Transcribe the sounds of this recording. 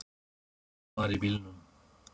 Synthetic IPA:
maɾibilnum

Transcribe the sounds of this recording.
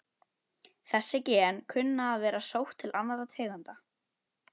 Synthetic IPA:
θɛsːɪcɛːnkʰʏnːaːðvɛːɾasowht̪ʰːɪlʔanːaðɾat̪ʰeːɣant̪a

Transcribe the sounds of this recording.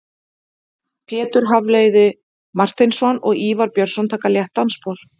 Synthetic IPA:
pʰjɛːt̪ʏɾ̥ɦavleːjðɪ | mar̥t̪ɪjnsɔnɔ̰ɣiːvaɾpjœɾsɔnt̪ʰaːkaljɛht̪ːanspol̥

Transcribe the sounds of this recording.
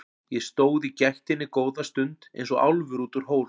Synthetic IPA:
jɛst̪oːwðicɛjht̪ɪnːɪkoːwðast̪ʏnt̪ḛjnsɔɣa̰wlvʏɾuːt̪ʏɾ̥ɦoːwl

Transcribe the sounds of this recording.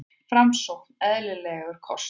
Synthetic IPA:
fɾamsɔk̪̚nɛðlɪlɛːɣʏɾ̥kʰɔs

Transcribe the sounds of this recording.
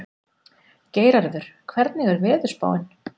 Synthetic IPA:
ceːjɾaɾðʏɾ̥kʰvɛɾt̪̚nɪɣɛɾvɛːðʏ̥spa̰ːwɪn

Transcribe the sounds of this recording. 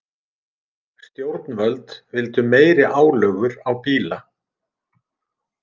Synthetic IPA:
st̪jowɾt̪nvœlt̪vɪlt̪ʏmeːjɾɪʔaːwlœːɣʏɾawpiːla

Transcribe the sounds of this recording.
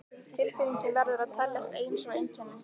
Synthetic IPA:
t̪ʰɪlfɪɾiɲcɪvɛɾðʏɾaðt̪ʰɛjlːɛxkeːjnsɔwejncʰɛnːɪ

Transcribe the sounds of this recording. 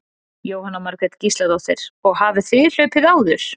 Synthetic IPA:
joːwhanːamaɾkɾɛt̪cist̪laðawθeɾ̥ɔɣhavɪθvɪðl̥œɥpɪðaːwðʏɾ̥

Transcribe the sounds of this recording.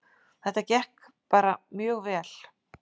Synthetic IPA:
θɛht̪acɛhk | paːɾamjœːɣvɛːl̥

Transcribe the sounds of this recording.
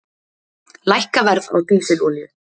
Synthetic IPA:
lajhkavɛɾða̰wt̪uːsɪlɔːljʏ

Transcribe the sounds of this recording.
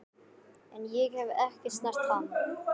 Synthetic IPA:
ɛnjɛɣhɛvɛhcɪst̪nar̥t̪fan

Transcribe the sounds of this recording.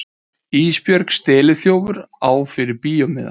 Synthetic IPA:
iːspjœɾkst̪ɛːlɪθjoːwvʏɾaːwfɪɾɪɾpiːjɔmɪ̰ða̰

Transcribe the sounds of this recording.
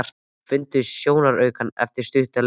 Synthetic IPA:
r̥t̪ | fʏnt̪ʏsjoːwnaɾœɥkanɛ̰ft̪ɪɾ̥st̪ʏht̪al

